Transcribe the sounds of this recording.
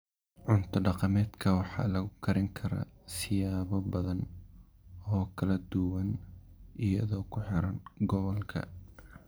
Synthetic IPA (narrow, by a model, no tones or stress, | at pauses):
ʕʊnt̪ʰɐɖɑqɑmɛːd̪kʰɐwɑħɑ̰ːlɐɣʊkʰɐɾɪŋkʰɐɾɐ̰sɪjaːβɔbɐðɐn | ɔːkʰɐlɐd̪ʊwɐnʔɪjɐ̰ðɔːkʰʊħɪɾɐnɡɔβɔlkʰɐ̰